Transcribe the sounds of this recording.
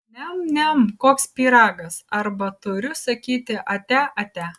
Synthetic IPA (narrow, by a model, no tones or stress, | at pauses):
nʲɛmnʲɛmkoːkspʲiːɾɑːɡɐsɐɾbɐt̪ʊɾʲʊsɐkʲiːt̪ʲɪʔɐt̪ʲæʔɐt̪ʲæ